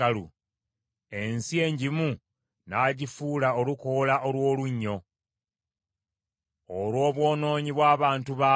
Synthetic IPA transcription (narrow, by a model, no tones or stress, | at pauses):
alṵ | e̞nsie̞ːɲɟimu | naɟifuːlaoluko̞laʔolwo̞ːluɲːo̞ | olwo̞ːβwo̞ːno̞ːɲiβwaːβaːntuβa